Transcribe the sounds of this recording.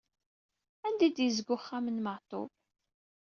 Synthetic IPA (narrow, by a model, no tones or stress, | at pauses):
ænd̪id̪jəzɡʊχːamənməʁt̪ˤo̰b